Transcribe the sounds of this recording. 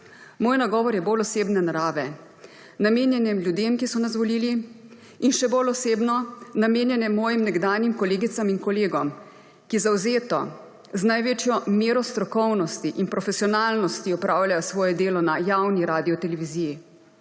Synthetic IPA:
moːjnaɡɔːʋɔɾjɛbolɔseːbnɛnaɾaːʋɛ | nameːnjɛnjɛmlʲjud̪emkisɔnas̬ʋɔliːli | inʃɛbolɔseːbnɔnameːnjɛnjɛmːɔːjimnɛɡd̪aːnjimkɔleːɡit̪samiŋkɔleːɡɔm | kizawzeːt̪ɔ̰ | znajʋeːt͡ʃjɔmeːɾɔst̪ɾɔkɔwnɔst̪iʔinpɾɔfɛsiɔnaːlnɔst̪iɔpɾʔaːwlʲjajsʋɔːjɛd̪eːlɔnajawniɾaːd̪iɔt̪ɛlɛʋiziːji

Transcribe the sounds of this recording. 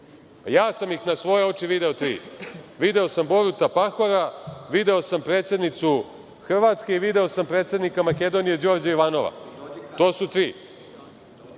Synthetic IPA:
jaːsamjixnasʋo̞je̞o̞t͡ʃiʋid̪e̞ot̪ɾḭːʋid̪e̞o̞sambo̞ɾut̪apaxo̞ɾaʋid̪e̞o̞sampɾe̞ːt̪sjed̪nit̪su | xr̩ʋat̪ske̞iʋid̪e̞o̞sampɾe̞ːt̪sʲe̞d̪nikamake̞d̪o̞nije̞d͡ʑo̞ːɾd͡ʑaiʋaːno̞ʋa̰t̪o̞ːsut̪ɾiː

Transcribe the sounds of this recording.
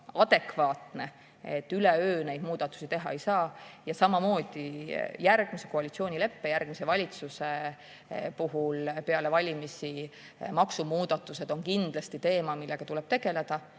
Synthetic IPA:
ɑd̪̥e̞kvɑːt̪ne̞ | et̪ːˑyleøːnejd̪muːd̪̥ɑt̪ːˑu̥sit̪e̞ɦɑe̞jsɑːjɑsɑmɑmo̞ːd̪̥ijærɡ̥mise̞̥ko̞ɑlʲit̪sio̞ːnʲile̞pːe̞jærɡ̥misevɑlʲit̪suse | puɦulpe̞ɑle̞vɑlʲimisi | mɑksumuːd̪̥ɑt̪ːˑuse̞d̪o̞ŋkind̪̥lɑst̪it̪e̞ːmɑmilːe̞ɡ̥ɑt̪ulɛb̥̚t̪e̞ɡ̥e̞le̞d̪̥ɑ

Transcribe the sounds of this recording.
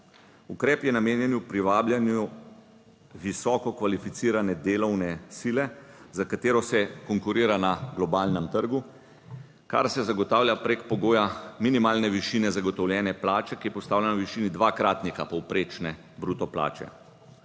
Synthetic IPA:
ukɾɛːpjɛnameːnjɛnupɾiʋaːbljanju | ʋisɔːkɔkʋalifit̪siːɾanɛd̪eːlɔwnɛsiːlɛzakat̪eːɾɔsɛkɔŋkuɾiːɾanaɡlɔbaːlnɛmt̪əɾɡu | ka̰ɾsɛzaɡɔt̪aːwlʲjapɾeːkpɔɡoːjaminimaːlnɛʋiʃiːnɛzaɡɔt̪ɔwljɛːnɛplaːt͡ʃɛkijɛpɔst̪aːwlʲjanawʋiʃiːnid̪ʋaːkɾaːt̪nikapɔwpɾeːt͡ʃnɛ | bɾuːt̪ɔpla̰ːt͡ʃɛ̰

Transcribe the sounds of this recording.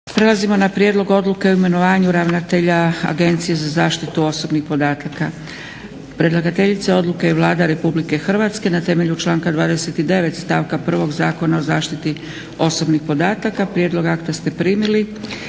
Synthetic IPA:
pɾe̞lazimonapɾjeːd̪lo̞ɡo̞d̪luke̞oime̞no̞ʋaːɲuɾaʋnat̪e̞ʎaa̰ɡe̞nt̪sije̞zazaːʃt̪it̪uo̞so̞bnixpo̞d̪aːt̪aka | pɾe̞d̪lˠaɡat̪e̞ʎit̪seo̞d̪lukeiʋlˠaːd̪aɾe̞publike̞xr̩ʋat̪ske̞nat̪e̞me̞ʎut͡ʃlˠaːŋkad̪ʋaːd̪ese̞t̪id̪e̞ʋe̞t̪st̪aːʋkapr̩ʋo̞ɡzaːko̞nao̞zaːʃt̪it̪i | o̞so̞bnixpo̞d̪aːt̪akapɾje̞d̪lˠo̞ɡakt̪ost̪e̞pɾiːmili

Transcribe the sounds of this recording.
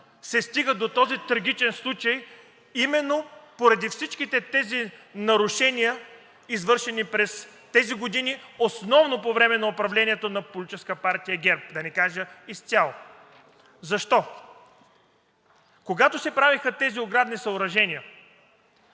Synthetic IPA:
sɛst̪iɡəd̪ot̪ɔzit̪ɾɐɡ̟ʲit͡ʃɛnslˠut͡ʃɐj | imɛnːopoɾɐd̪ifsit͡ʃkit̪ɛt̪ɛzinɐɾʊʃɛnijə | izvɤɾʃɛnipɾɛst̪ɛziɡod̪iniosnɔvnopovɾɛmɛnɐopɾɐvlɛnʲiɛt̪onɐpolʲit͡ʃɛskəpaɾt̪ijəɡʲɛɾp̚d̪ɐnɛkaʒəist̪ʲjalˠo | zɐʃt̪ɔ | koɡat̪osɛpɾavixət̪ɛzioɡɾad̪nisɐʊɾɐʒɛnʲiə

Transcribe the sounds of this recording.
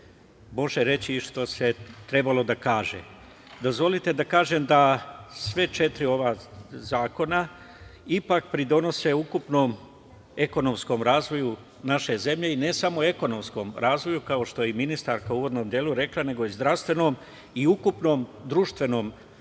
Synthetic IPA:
mo̞ʒeɾe̞t͡ɕiʃt̪o̞se̞t̪ɾe̞balo̞d̪akaːʒḛ | d̪o̞zʋo̞lit̪e̞d̪akaːʒe̞md̪asʋe̞t͡ʃe̞t̪ɾio̞ʋaːzaːko̞na | ipak̚pɾid̪o̞no̞se̞ukupno̞ːm | e̞ko̞no̞msko̞mɾaːzʋo̞ju | naʃe̞ze̞mʎe̞ine̞samoe̞ko̞no̞msko̞ːmɾaːzʋo̞jukao̞ʃt̪o̞jeminist̪aɾkauːʋo̞d̪no̞ːmd̪jeːluɾe̞klˠane̞ɡo̞izd̪ɾaʋst̪ʋe̞no̞ːm | iukupno̞ːmd̪ɾuːʃt̪ʋe̞no̞ːm

